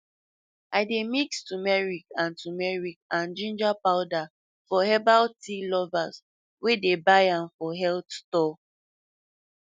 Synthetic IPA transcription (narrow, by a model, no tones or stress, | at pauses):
ʔaɪdemikstumɛɹikãntumɛɹikãnd͡ʒĩnd͡ʒapaʊda | fɔhɛbaltilɔvas | wedebajãmfɔɦɛltstɔ